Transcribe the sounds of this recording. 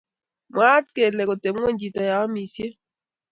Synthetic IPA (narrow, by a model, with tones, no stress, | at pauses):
mwa˦tke˨lɛ˨ko˨te˨m˦ɛ˦˨ɲd͡ʒi˨ta˨ja˨a˦mi˨sje˦